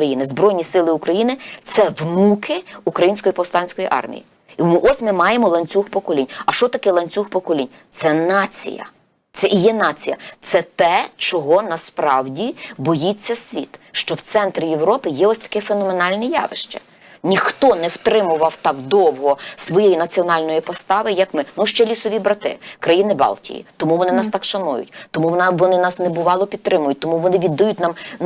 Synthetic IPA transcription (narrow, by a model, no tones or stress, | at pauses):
ɐjinɪzbɾɔjnʲisɪlˠɪukɾɐjinɪt̪sɛʋnukɪukɾɐjinʲsʲkɔjipɔwst̪ɑnʲsʲkɔjiʔɑ̰rmʲḭjḭ | imɪʔɔsʲmɪmɑjemɔlˠɐnʲt͡sʲuxpɔkɔlʲinʲɐʃt͡ʃɔt̪ɐkɛlˠɐnʲt͡sʲuxpɔkɔlʲinʲ | t̪sɛnɑt͡sʲḭjɐ̰ | t̪sɛʔijɛnɑt͡sʲijɐ̰t̪sɛt̪ɛt͡ʃɔɦɔnɐspɾɑwdʲibɔjit͡sʲːɐsʲʋʲḭt̪ʃt͡ʃɔwt̪sɛnt̪ɾʲijewɾɔpɪjɛɔsʲt̪ɐ̥kɪfenɔmenɑlʲnɪjɑ̰ʋɪ̰ʃt͡ʃɛ̰ | nʲixt̪ɔnɛwt̪ɾɪmʊʋɐwt̪ɑɡd̪ɔwɦɔsʋɔjejinɐt͡sʲiɔnɑlʲnɔjipɔst̪ɑʋɪjɐkmɪnuʃt͡ʃɛlʲisɔʋʲibɾɐt̪ɪ̰kɾɐjinɪbɑ̰lˠtʲḭjḭt̪ɔmuʋɔnɪnɑst̪ɑkʃɐnujʊ̰tʲt̪ɔmuʋɔnɪnɑsnɛbʊʋɑlˠɔpʲit̪ɾɪmʊjʊt̚ʲt̪ɔmuʋɔnɪʋʲid̪ːɐjutʲnɑm